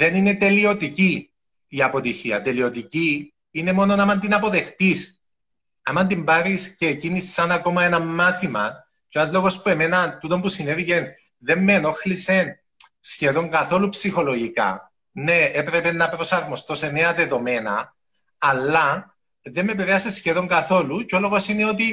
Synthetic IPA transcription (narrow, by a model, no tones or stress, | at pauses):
ðe̞nine̞t̪e̞lio̞t̪ici | iɐpo̞t̪içiɐ̰t̪e̞lio̞t̪ici | ine̞mono̞nɐmɐnd̪inɐpo̞ðe̞xt̪is | ɐmɐnd̪imbɐɾisceːcinisːɐnɐko̞mɐenɐmːaθimɐ | coenɐzlo̞ɣo̞spue̞me̞nɐnt̪ut̪o̞mbusinevice̞n | ðe̞mːe̞no̞xlise̞n | sçe̞ðo̞ŋɡɐθo̞lupsixo̞lo̞ʝikɐ̰ | ne̞epɾe̞pe̞nːɐpɾo̞sɐɾmo̞st̪o̞se̞ne̞ɐðe̞ðo̞me̞nɐ̰ː | lːɐ | ðemːe̞piɾeɐse̞sçeðo̞ŋɡɐθo̞luceo̞lo̞ɣo̞sineo̞t̪i